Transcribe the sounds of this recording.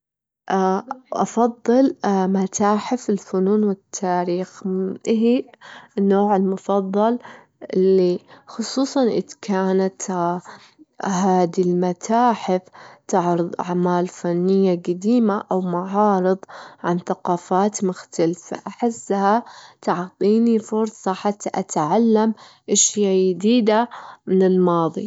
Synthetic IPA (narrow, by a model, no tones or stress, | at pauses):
ʔʔɑ̰fɑðˤːɨlmat̪ʰaːħɪfɪlfʊnuːnwɪt̪ʰːaːɾiːxʔɦinːoːʕɪlmʊfɑðˤːɑl | ʔɪlːixʊsˤuːsˤɑnʔɪ̰d̪kaːnat̪ | haːd̪ilmat̪ʰaːħɪft̪ɪʕɾɨðˤʔa̰ʕmaːlfanːɪjːaɡad̪iːmaʔawmaʕɑːɾɨðˤʕanθaqɑːfaːt̪mʊxt̪alfa̰ʔaħɪsːhat̪aʕt̪ˤiːnifʊɾsˤɑħat̪ːaʔat̪ʕalːamʔaʃjajɪd̪iːd̪amɪnɪlmɑːðˤi